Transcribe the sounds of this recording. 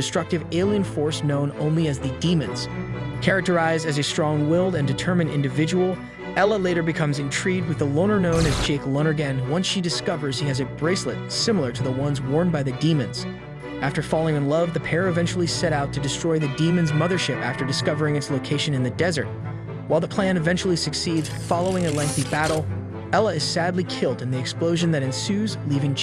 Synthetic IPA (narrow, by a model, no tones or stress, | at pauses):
ɨstɹ̥ʌk̚tɨveɪlˠiɨ̃nfɔɹsnõʊ̃nõ̰ʊ̃nliɨzðɨdĩmɨ̰̃nz̥kʰɛɹɨk̚tə˞aɪzɨzɨstɹ̥ɔ̃ŋwɪlˠdɨ̃ndɨtʰɜ˞mɨ̃nʔɪ̰̃ndɨvɪd͡ʒəwl̩ˠ | ɛlˠəleɪɾə˞bɨkʰʌ̃mzɨ̃ntʰɹ̥id̚wɨðəlõʊnə˞nõʊ̃nɨzd͡ʒeɪklõʊ̃nə˞ɡɨ̃nwʌ̃nsʃidɨskʌvə˞z̥hiɨzɨbɹeɪslə̰t̚sɪ̃ml̩ˠə˞ɾɨðəwʌ̃nzwɔɹnbaɪðɨdĩmɨ̃nz̥ | æftə˞fɑlˠɪ̃ŋɨ̃nlʌvðɨpʰɛɹɨvɛ̃nt͡ʃl̩ˠisɛɾaʊtʰɨdɨstɹ̥ɔɪðɨdĩmɨ̃nzmʌðə˞ʃɪpæ̰ftə˞dɨskʌvə˞ɪ̃ŋɨtsloʊkʰeɪʃɨ̃nɨ̃nðɨdɛzə˞t̚ | waɪlˠðəpʰl̥æ̃ñɨvɛ̃nt͡ʃul̩ˠisɨksidz̥fɑlˠoʊɪ̃ŋɨlɛ̃ŋk̚θibæɾl̩ˠ | ɛlˠəɨz̥sædˡlikʰɪlˠdɨ̃nðiɨksploʊʒɨ̃nðɨɾɨ̃nsʉzlivɪ̃ŋ